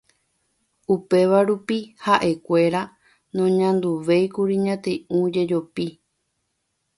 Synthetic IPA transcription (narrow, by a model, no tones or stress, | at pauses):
upe̞ʋaɾupihaʔe̞kʷe̞ɾa | nõɲãnd̪uʋe̞jkuɾiɲãt̪eũd͡ʒe̞d͡ʒopi